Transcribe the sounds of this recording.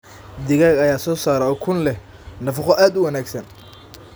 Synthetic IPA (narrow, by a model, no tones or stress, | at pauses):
d̪ɪɣaːɡɐjaːsɔːsaːɾɛɔːkʰʊnlɛ | nɐfɑχɔʔaːd̪ʊwɐnaːɡsɐn